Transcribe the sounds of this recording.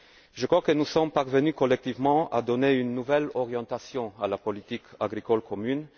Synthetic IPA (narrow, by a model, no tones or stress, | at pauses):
ʒəkχwakənusɔmpaʁvənykɔlɛk̚t̪ivmɑ̃a̰d̪ɔneynːuvɛlɔʁjɑ̃t̪asjɔ̃alapɔlit̪ikaɡʁikɔlkɔmyn